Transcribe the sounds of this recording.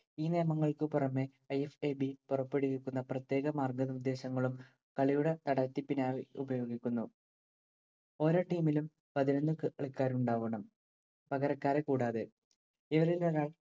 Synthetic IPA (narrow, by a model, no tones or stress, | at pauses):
iːneːmɐŋːɐɭkɨpurɐmːe | ɐjefeːbipurɐpːe̞ɽiʋeɭkːunːɐprɐt̪ːje̞ːɣɐmaːrɡɐðɐud̪ːe̞ːɕɐŋːɐɭum | kɐɭijuɽet̪ɐɽɐt̪ːipːinaːʋiubɐjo̞ːɡikʲːunːu | o̞ːɾo̞ːʈiːmilum | pɐðinonːukɨʔɐɭikːaːɾuɳɖaːʋɐɳɐm | pɐɣɐɾɐkːaːɾe̞kuːɽaːðɨ | iʋɐɾilɐɾaːɭ